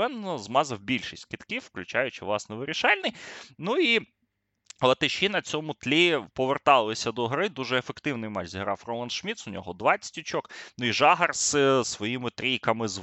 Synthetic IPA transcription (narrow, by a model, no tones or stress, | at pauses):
ɛnːɔzmɑzɐwbʲilʲʃisʲtʲkɪt̪kʲiwːklʲʉt͡ʃɑjʊt͡ʃɪʋlˠɑsnɛʋɪɾʲiʃɑlʲnɪjnui | lˠɐt̪ɪʃʲinɐt͡sʲɔmʊt̪lʲipɔʋert̪ɑlˠɪsʲɐd̪ɔɦɾɪd̪uʒɛːfekt̪ɪwnɪjmɑt͡ʃzʲiɦɾɑfrɔmˠɐnʃmʲit̪sʊnʲɔɦɔd̪ʋɑt͡sʲɐ̥tʲʊt͡ʃɔknuiʒɑɦɐrssʋɔjimɪt̪ɾʲijkɐmɪz